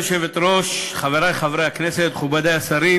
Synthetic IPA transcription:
oʃevet̪ɾo̞ʃχaveɾajχavɾejhakneset̪χubad̪ejasaɾi

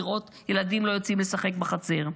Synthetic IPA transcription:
ʁʔo̞t̪ | je̞lad̪imlo̞jot͡simlesaχe̞k̚baχat͡se̞ʁ

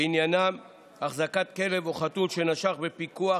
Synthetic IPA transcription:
injanam | aχzakat̪̚ke̞le̞voχat̪ulʃenaʃaχbe̞pikua

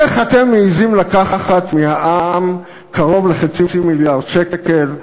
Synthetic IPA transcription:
eχat̪e̞mːeizimlakaχaχatmihaʔam | kʰaʁo̞vleχat͡sit͡similjaʁdʃekel

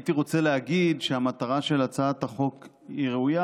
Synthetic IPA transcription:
tiʁo̞t͡seleaɡidʃeamat̪aʁaʃe̞lat͡saːt̪aχo̞k | iʁeuja

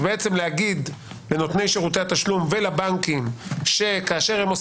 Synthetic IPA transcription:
beet͡se̞mlehaɡid̪ | leno̞t̪ne̞jʃeʁut̪̬eat̪aʃlumvelabaŋkimʃe̞kaːʃe̞ʁhemos

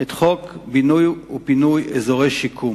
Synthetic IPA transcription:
et̪χokbinujupinujezoʁejʃikʰum

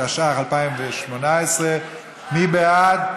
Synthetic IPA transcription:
aʃaχalpaɪmvɛʃmonaɛsʁɛ | mibɛad

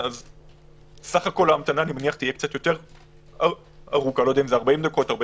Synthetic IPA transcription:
az | saχako̞laːmt̪anaːnimaniaχt̪ijekt͡sat̪jo̞t̪eʁ | a | aʁukalod̪eaimzeaʁbaimd̪ako̞t̪aʁba

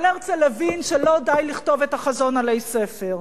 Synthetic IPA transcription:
leʁt͡selavinʃelo̞dajliχto̞vetaχazo̞nalejsefeʁ

